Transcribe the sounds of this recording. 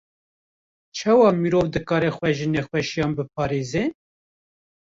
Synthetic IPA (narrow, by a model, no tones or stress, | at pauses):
t͡ʃʰɑwɑmiɾovd̪ɨkɑːɾɛxʷɛʒɨnexwɛʃjɑːnbɨp̚ʰɑːɾeːze